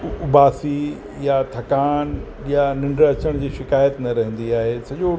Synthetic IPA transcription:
ʊbaːsi | jat̪ʰɐkaːn | janɪ̃ɳɖɾɐt͡ɕəɽ̃d͡ʑiːʃɪkaːjət̪nɐɾɐɦə̃nd̪iaːɦeːsɐd͡ʑo

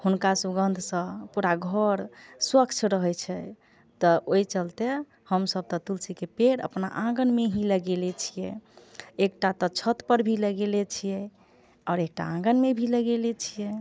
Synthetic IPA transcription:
hunkasuɡənd̪ʱsə̃puɾaɡʱəɾswəkt͡ʃʰɾəɦɛt͡ʃʰɛ | t̪ɔojt͡ʃəlt̪e | həmsəb̚t̪ɔt̪ulsikepeɾə̰pna̰ʔãɡənmeɦiləɡelɛt͡ʃʰijɛ | ek̚ʈat̪ɔt͡ʃʰət̪pəɾbʱiləɡelɛt͡ʃʰijɛ | ɔːɾek̚ʈaãɡənmebʱiləɡelet͡ʃʰijɛ

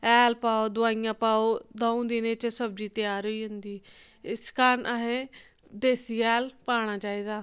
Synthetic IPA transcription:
ɛːlpaːoːd̪ʊaːɪjãːpaːoːd̪əũːd̪inẽːt͡ʃsəb̚d͡ʒiːt̪ɪjaːɾoiːɦʊnd̪iː | ɪskaɾnʔaɦẽː | d̪eːsiːɛːlpaːɽ̃aːt͡ʃaːiːd̪aː

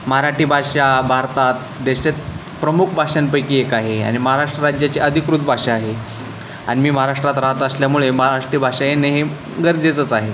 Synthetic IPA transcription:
məɦaɾaʈiːbʱaʂabʱaɾt̪at̪̚ | d̪eɕet̪̚ | pɾəmukʰbʱaʂənpəjkiːekaɦea̰ɽ̃iməɦaɾaʂʈɾəɾad͡ʑjat͡ɕiʔəd̪ʱikɾut̪bʱaʂaaɦe | a̰ɽ̃imiːməɦaɾaʂʈɾat̪ɾaɦət̪əsljamuɭeməɦaɾaʂʈɾiːbʱaʂajenːeɦe | ɡəɾd͡zet͡sət͡saɦe

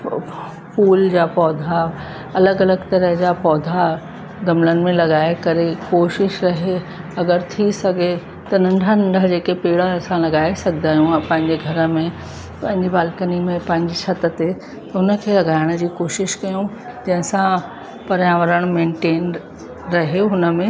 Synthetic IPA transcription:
fuːld͡ʑaːpɔːd̪ʱa | ɐləɡɐləɡt̪ɐɾəɦd͡ʑaːpɔːd̪ʱa | ɡɐmlənɪ̆mẽlɐɡaːekɐɾekoːʃɪʃɾɐɦe | ɐɡəɾt̪ʰisɐɡʱe | t̪ɐnɐ̃ɳɖʱənɐ̃ɳɖʱəɦd͡ʑeːkepeːɽasãlɐɡaːesɐɡʱd̪aːɦjũpɐ̃ɦɪ̃ɲd͡ʑeɡʱɐɾə̆mẽ | pɐ̃ɦɪ̃ɲd͡ʑibaːlkənimẽpɐ̃ɦɪ̃ɲd͡ʑiʃʰɐt̪ət̪e | t̪ɐʊnə̆kʰeːlɐɡaːɪɽ̃̆d͡ʑiːkoːʃɪʃkɐjũ | d͡ʑɐ̃ɦɪ̃sã | pɐɾjãːʋəɾəɽ̃mẽːɳʈeːn | ɾɐɦeɦʊnə̆mẽ

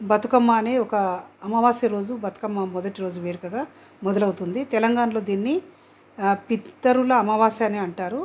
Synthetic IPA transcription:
bɐt̪ukɐmːaːneːɔkɐːmɐʋaːsɐɾo̞ːd͡ʒubɐt̪u̥kɐmːaːmɔd̪ɐʈiɾo̞ːd͡ʒuʋeːɽɐkɐɡaː | mɔd̪ɐlɐwut̪und̪it̪ɛlɐŋɡaːnɐlo̞ːd̪iːnːi | pit̪ːɐɾulɐːmɐʋaːsjaːneːɐɳʈaːɾu

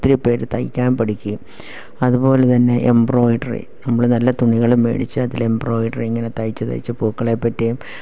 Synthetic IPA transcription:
t̪ːiɾipːe̞ːɾt̪ɐjkʲːaːnpɐʈikʲːɨ | ɐðupo̞ːlet̪ɐnːe̞ʔembro̞ːjɖɐrḭnɐmːuɭnɐlːɐt̪uɳiɣɐɭumʋḛːɽit͡ɕːɨɐðilembro̞ːjɖɐrieŋːɐnet̪ɐjt͡ɕːɨt̪ɐ̰jt͡ɕːɨpoːkːɐɭepːɐtːejum

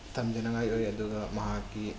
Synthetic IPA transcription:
tʰɐmd͡ʒɐnɐŋajojɐduɡɐmɐɦakːi

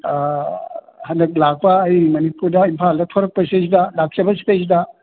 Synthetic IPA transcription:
hɐndɐk̚lak̚pɐːjmɐnipuɾdɐimpʰaldɐtʰɔɾɐk̚pɐses̬idɐlak̚t͡ʃɐbɐsi̥pes̬idɐ

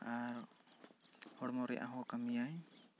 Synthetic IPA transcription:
aɾɔ | hɔɽmɔɾɛ̰ʔa̰ɦɔkamiaj

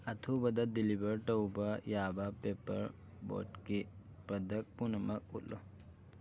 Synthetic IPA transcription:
ɐt̪ʰubɐd̪ɐt̪̚d̪ilibɐɾʈɐwbɐjaːbapeːpə̰ɾ | bo̰ːʈki | pɐd̪ɐk̚punəmɐk̚ṵlo

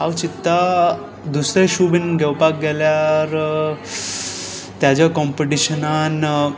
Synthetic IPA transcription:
awt͡ɕit̪ːa | d̪usɾeɕubinɡʱɛwpak̚ɡeljaɾ | t̪jad͡ʑakɔmpeʈiɕənan

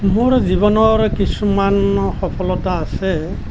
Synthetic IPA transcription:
moɹzibɔnɔɹkisumanxɔpʰɔlɔtaːsɛ

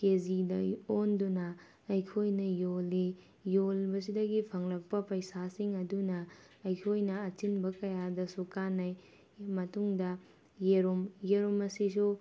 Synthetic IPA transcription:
kezidɐ̰ondunɐː | jkʰojnɐjolːi | jolbɐs̬idɐɡipʰɐŋlɐk̚pɐpɐjsasiŋɐdunɐː | jkʰojnɐːt͡ʃinbɐkɐjadɐsukanɐj | mɐtuŋdɐ | jeɾomjeɾomɐsis̬u

